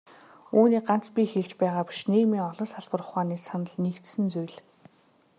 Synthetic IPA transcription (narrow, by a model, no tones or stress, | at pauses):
uːniːɢan̥t͡spʲixeɮt͡ɕpæːʁaːpi̥ʃneːmiːŋɔɮɞ̆nsaɮpə̆rʊ̆χaːniːsanə̆ɮnikt̪sɘ̆nt͡sujɮ